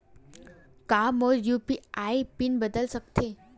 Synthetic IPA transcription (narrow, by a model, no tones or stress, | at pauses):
kamoɾjupiaipinbəd̪əlsəkt̪ʰe